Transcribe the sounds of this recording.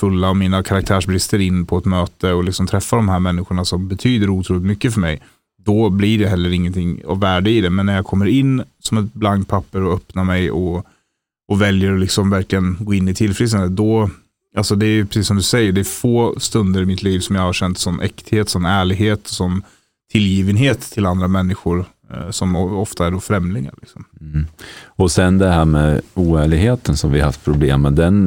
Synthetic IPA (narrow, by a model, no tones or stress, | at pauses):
fɵlːaɔmiːnakʰaɾak̚t̪ʰæːʂbɾɪst̪əɾɪnːpʰɔɛt̪møːt̪əɔlɪksɔmt̪ʰɾɛfːad̪ɔmɦæːɾmɛnːɪɧʊɳasɔmbɛt̪ʰyːd̪əɾuːt̪ʰɾuːlɪt̪mʏkːəfœɾmɛ̰j | d̪̥ɔblɪɖɛɦɛlːəɾɪŋːənt̪ʰɪŋːa̰vːæːɖəɪd̪ɛmɛnːæɾjaːkʰɔmːəɾɪnːsɔmɛt̪blaŋk̚pʰapːəɾɔœpnamɛjɔ | ɔvɛljəɾɔlɪksɔmvæɾklɪɡənɡoːɪnːɪt̪ʰɪlfɾɪst̪and̪əd̪ɔ | alsɔd̪ɛæjɵpʰɾɛsiːsɔmd̪ɵsɛjːəɖɛæɾfoːst̪ɵnd̪əɾɪmɪt̪ʰliːvsɔmjɑːɡhaɾɕɛnt̪sɔnʔɛ̰kt̪heːt̪sɔnæːɭɪɡɦeːt̪ʰɔsɔn | t̪ʰɪljiːvənɦeːt̪ʰːɪland̪ɾamɛnːɪɧʊɾ | sɔmɔft̪aæɖɔfɾɛmlɪŋa̰lɪ̰ksɔm | ɔsɛnd̪ɛhæːɾmɛuːæːɭɪɡheːt̪ənsɔmvɪaha̰ft̪̚pʰɾʊblḛːmːɛd̪ɛn